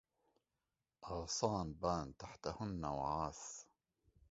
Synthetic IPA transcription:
ʔɑɣsˤɑːnbaːnt̪aħt̪ahʊnːawʕaːs

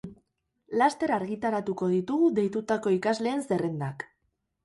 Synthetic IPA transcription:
last̪e̞ɾaːɾɣit̪aɾat̪uko̞ðit̪uɣuðe̞jt̪ut̪ako̞ikazle̞ːnse̞re̞nd̪ak

